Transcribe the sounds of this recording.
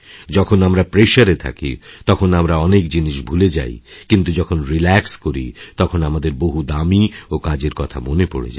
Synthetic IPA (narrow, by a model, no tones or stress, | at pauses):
d͡ʑɔkʰonamɾapɾeʃaɾet̪ʰa̰kḭt̪ɔkʰonamɾaɔnekd͡ʑiniʃbʱuled͡ʑa̰jkint̪ud͡ʑɔkʰonɾilɛkskoɾḭt̪ɔkʰonamad̪eɾboɦud̪amiokad͡ʑeɾkɔt̪ʰa̰monepo̰ɽḛd͡ʑa̰